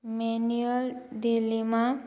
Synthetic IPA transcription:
menuəld̪ilːimã

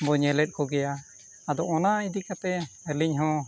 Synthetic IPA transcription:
bɔɲɛlɛt̚ˀkɔɡɛja | ad̪ɔɔnaid̪ikat̪ɛɛliɲɦɔ̃

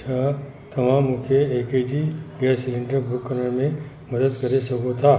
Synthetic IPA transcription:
t͡ʃʰa | t̪ɐmãmukʰeeːked͡ʒibijasɪlɪ̃ɳɖəɾbukːənəɾmẽ | mɐd̪əd̪kɐɾesɐkot̪ʰa

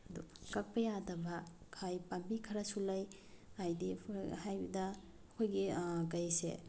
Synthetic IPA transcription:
ɐdukɐk̚pɐjadɐbɐkʰajpambikʰɐɾɐsulɐj | ajdihajbidɐː | kʰojɡikɐjsḛ

